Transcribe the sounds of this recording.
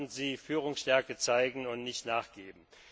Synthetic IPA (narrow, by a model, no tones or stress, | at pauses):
nziːfyːʁ̞ʊŋsʃtɛɐkət͡saɪɡŋ̩ʊntnɪçtnaːχɡ̥eːbm̩